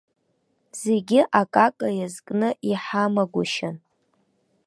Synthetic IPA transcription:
z̥eɡʲɪʔakʼakʼajazkʼnɨʔiħamaɡʷʊʃan

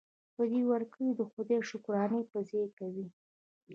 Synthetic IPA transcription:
pəd̪iwaɾkəɽid̪əxod̪eʃʊkɾɑnəpəzekawi

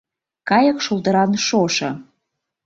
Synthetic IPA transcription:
kɑjəkʃuld̪ə̆ɾɑnʃoʃɤ̆

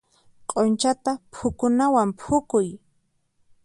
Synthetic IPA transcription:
qʼont͡ʃat̪apʰʊkʊnawampʰʊkʊj

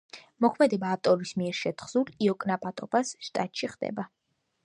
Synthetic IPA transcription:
mɔkʰmɛd̪ɛbaːft̪ʼɔɾismiɛɾʃɛt̪ʰχzuliɔkʼnapʼat̪ʼɔbasʃt̪ʼa̰t̪ʼʃiχd̪̥ɛ̰ba

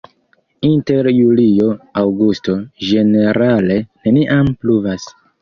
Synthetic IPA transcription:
inte̞ɾjulio̞awɡusto̞d͡ʒe̞ne̞ɾale̞ne̞niʔampluvas

